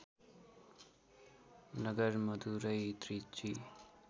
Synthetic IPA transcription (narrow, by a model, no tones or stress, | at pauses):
nʌɡʌɾmʌd̪uɾʌjt̪ɾit͡si